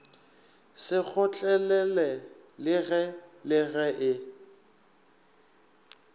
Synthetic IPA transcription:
sɪk͡xʰʊt͡ɬʼɛlɛlɛlɪɣɛlɪɣɛʔɪ

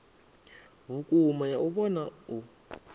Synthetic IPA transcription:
βukʼumajaʔuβɔnau

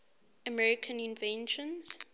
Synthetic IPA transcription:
əmɛɹɪkʰə̃nĩnvɛ̃nʃɔ̃nz̥

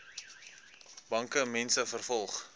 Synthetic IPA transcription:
bɐŋkəmɛnsəfərfɔlˠχ

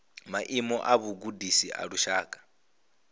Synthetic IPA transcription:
maʔimɔʔaβuɡudisiʔa̰ɺuʃaːkʼḁ

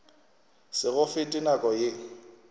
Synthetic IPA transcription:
sɪɣʊfɪtʼinakʼɔjɪ

